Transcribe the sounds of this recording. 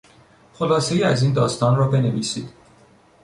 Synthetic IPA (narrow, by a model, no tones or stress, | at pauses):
χo̞lɒːsejiːæziːnd̪ɒːst̪ɒːnrɒːbe̞neviːsiːd̪̥